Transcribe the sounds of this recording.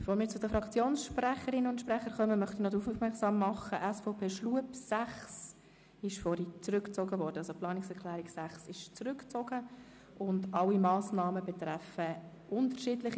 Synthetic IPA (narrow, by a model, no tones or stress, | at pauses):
b̥foːɾmiːɾt͡sʊdəfɾɑkt͡sjoːnsʃpræχəɾɪnʊntʃprɛχəɾχœməmœχt̪inɔd̪ufufmɛksɑːmːɑχəʔæsfɔʊpʰeːʃluəpsæχs | ɪʃfɔɾit͡srʏkt͡soːɡəvɔːɾd̥əɑlsoplɑːnɪksɛɾkʰlɛːɾiksæχsɪʃt͡sɾʏkt͡soːɡ̥ə | ʊndɑlimɑːsnɑːməbɛtɾɛfə | ʔʊntəʃiːdlɪχi